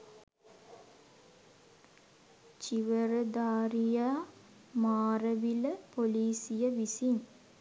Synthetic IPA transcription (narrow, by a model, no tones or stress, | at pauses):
t͡ʃiʋəɾəd̪aːɾijaː | maːɾəʋiləpoliːsijəʋisin